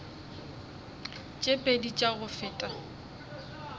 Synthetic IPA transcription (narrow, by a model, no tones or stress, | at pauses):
t͡ʃʼepʼedit͡ʃʼaɣʊfɪːtʼa